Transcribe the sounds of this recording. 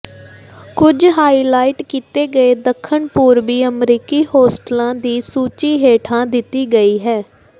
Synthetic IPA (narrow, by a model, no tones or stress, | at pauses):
kʊd͡ʒɦaːiːlaːɪʈkiːt̪eːɡəeːd̪əkʰːəɳpuːɾbiːəmɾiːkiːhoːsʈlãːd̪iːsuːt͡ʃiːɦeːʈʰãːd̪ɪt̪ːiːɡəiːɦɛː